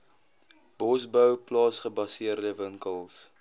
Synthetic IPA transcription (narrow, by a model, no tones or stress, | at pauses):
b̥ɔsbœwplɑːsχəbɐsiərdəvəŋkəlˠs